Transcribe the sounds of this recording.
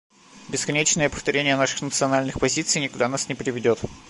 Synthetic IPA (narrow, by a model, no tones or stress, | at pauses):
bʲɪskɐnʲet͡ɕnəjəpəft̪ɐɾʲenʲɪjənaʂɨ̥xnət̪sɨɐnalʲnɨxpɐzʲit̪sɨjnʲɪkʊd̪anasnʲɪpɾʲɪvʲɪdʲo̞t̪